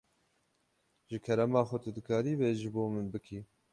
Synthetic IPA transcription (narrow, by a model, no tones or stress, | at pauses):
ʒɨkʰɛɾɛmɑːxʷɛt̪ʰɨd̪ɨkʰɑːɾiːveːʒɨboːmɨnbɨkʰiː